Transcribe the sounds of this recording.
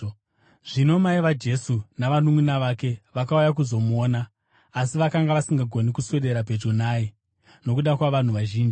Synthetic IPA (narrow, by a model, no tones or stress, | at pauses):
ʐ̥ino̞maiʋad͡ʒe̞sunaʋanumunaʋake̞ʋakaujak̬uzo̞muoːnaː | siʋakaŋɡaʋasiŋɡaɡʱo̞nikusweɗe̞ɾaped͡ʒonaːi | no̞kuɗakwaʋan̤uʋaʒiːnd͡ʒi